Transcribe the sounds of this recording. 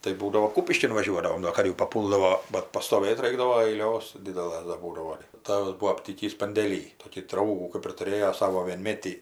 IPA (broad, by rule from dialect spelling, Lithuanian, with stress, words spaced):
tɐɪ ˈbuːdɐʋoː ˈkuːpʲɪʃʲkʲɪn ʋɐˈʒʲuɔdɐʋoːm doː ˈɐr jɛʊ pɐˈpuːlˠdɐʋoː ˈbɐt pɐstoːˈʋɘt ˈrɐɪɡdɐʋoː ɐɪˈlʲoːs ˈdʲɪdʲɛlˠɘs dɐr ˈbuːdɐʋoː ˈtɑːʋɐs ˈbuɔ ɐpʲˈtʲiːkʲiːs pɐnʲdʲeːˈlʲiː ˈtoːkʲiː ˈdrɐʊɡuː kɜp ɪr tʊˈrʲeːjoː ˈsɑːʋoː ʋʲiɛnʲˈmʲeːtʲiː